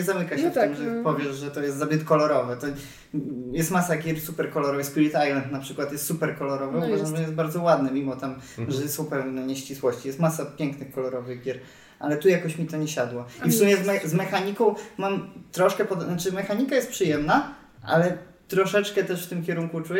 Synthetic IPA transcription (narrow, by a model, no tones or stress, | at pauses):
ɛzamɘkaɕɛft̪ɪmʐɛpɔvʲjɛʐʐɛt̪ɔjɛst̪zabʲɛt̪kɔlɔɾɔvɛt̪ɔ | jɛst̪masaɡʲjɛɾsupɛɾkɔlɔɾɔvspʲulʲit̪ajlɛnt̪napʂɘkwat̪jɛst̪supɛɾkɔlɔɾɔvɛɔbazamɛjɛst̪baɾd̪zɔwad̪̚nɛmʲimɔt̪am | ʐɛsɔ̃w̃pɛvnnɛɲɛɕt͡ɕiswɔɕt͡ɕijɛst̪masapʲjɛŋknɨxkɔlɔɾɔvɘɣɡʲjɛɾ | ʔalɛt̪ujakɔɕmʲit̪ɔɲɛɕad̪wɔifssumʲjɛzmɛzmɛxaɲikɔ̃w̃mamt̪ɾɔʂkɛpɔd̪nat͡ʂɘmɛxaɲikajɛst̪̚pʂɨjɛmna | ʔa̰lɛ | t̪ɾɔʂɛt͡ʂkɛt̪ɛʂft̪ɘmkʲɛɾuŋkut͡ʂujɛ